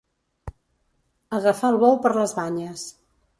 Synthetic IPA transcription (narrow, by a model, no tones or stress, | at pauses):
əɣəfaːlˠβɔwpəɾləzβaɲəs